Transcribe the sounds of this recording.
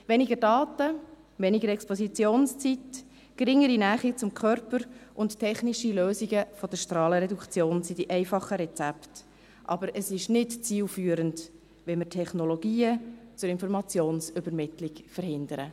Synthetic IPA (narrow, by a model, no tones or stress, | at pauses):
ʋɛniɡəɾdɑːtə | ʋɛniɡəɾɛkspɔsit͡sjoːnst͡sit | ɡ̥ɾɪŋːəɾinæːχit͡sʊmkʰœɾpəɾʔʊnttʰɛχniʃiløːziɡəfɔd̥̪əʃtɾɑːləɾɛdukt͡sjoːnsid̥iʔɛɪfɑχəɾɛt͡sæpt | ʔɑ̰bəɾəsɪʃnɪtt͡siːlfyːəɾənt | ʋɛmətʰɛχnɔloɡ̥iːət͡sʊɾɪnfɔɾmɑt͡sjoːnsʏbəɾmɪtlɪkfəɾhɪnd̪əɾə̰